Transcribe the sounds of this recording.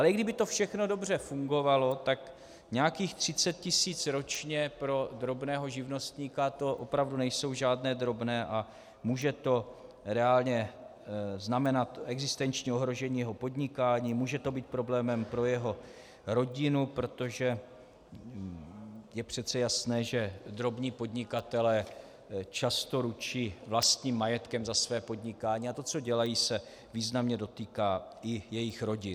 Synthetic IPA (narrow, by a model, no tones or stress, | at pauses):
ʔalɛɪɡdɪbɪt̪o̞fʃɛxno̞do̞br̝ɛfuŋɡo̞valo̞t̪ak | ɲɛakiːxt̪r̝̥ɪt͡sɛt̪̚cɪsiːt͡sɾo̞t͡ʃɲɛpɾo̞d̪ɾo̞bnɛːɦo̞ʒɪvno̞st̪ɲiːkat̪o̞ʔopɾavdunɛjso̞wʒaːdnɛːd̪ɾo̞bnɛːʔa | muːʒɛt̪o̞ | ɾɛaːlɲɛ | znamɛnat̪ɛɡzɪst̪ɛnt͡ʃɲio̞ɦɾo̞ʒɛɲiːjɛɦo̞po̞d̪ɲɪkaːɲiːmuːʒɛt̪o̞biːt̪̚pɾo̞blɛːmɛmpɾo̞jɛɦo̞ | ɾo̞ɟɪnupɾo̞t̪o̞ʒɛ | jɛpr̝̥ɛt̪t͡sɛjasnɛːʒɛd̪ɾo̞bɲiːpo̞d̪ɲɪkat̪ɛlɛː | t͡ʃast̪o̞ɾut͡ʃiːvlast̪ɲiːmːajɛt̪kɛmzasvɛːpo̞d̪ɲɪkaːɲiːat̪o̞t͡so̞ɟɛlajiːsɛ | viːznamɲɛdo̞t̪iːkaːɪjɛjɪxɾo̞ɟɪ